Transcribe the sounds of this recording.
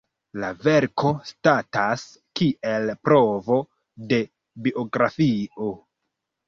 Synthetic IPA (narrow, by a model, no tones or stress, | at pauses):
lave̞ɾko̞statas | kiʔelpɾo̞vo̞ | de̞ | biʔoɡɾafio̞